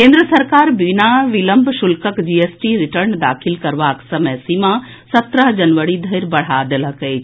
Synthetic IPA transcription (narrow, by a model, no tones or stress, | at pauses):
kẽnd̪ɾəsɐɾkaːɾbinaʋɪləmbʱʃʊlkəkd͡ʑieːsʈiɾɪʈəɾnd̪aːkʰɪlkɐɾʋaːksɐmɛsimã | sɐt̪ɾəɦd͡ʒɐnʋəɽid̪ʱɐɾbɐɽ̤ad̪eləke